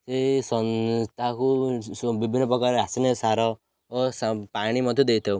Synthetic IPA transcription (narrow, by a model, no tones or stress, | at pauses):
sesɔnst̪ʰakubibʱinːɔpɔkaɾasinesaɾɔ | sapaɽ̃imɔd̪ʱjod̪ejt̪ʰew